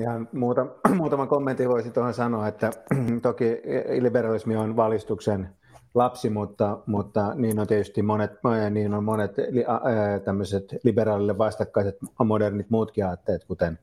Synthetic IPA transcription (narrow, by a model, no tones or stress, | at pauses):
ihɑnmuːt̪ɑmuːt̪ɑmɑkomːent̪ːiʋoisit̪ohɑsɑnoːet̪ːæt̪okiliberɑlismionʋɑlist̪uksen | lɑpsimut̪ːɑmut̪ːɑniːnːont̪iet̪yst̪immonet̪niːnommonet̪liɑt̪æmːøset̪liberɑːlilːeʋʋɑst̪ɑkːɑiset̪modernit̪muːt̪kiɑːt̪ːeːt̪kut̪en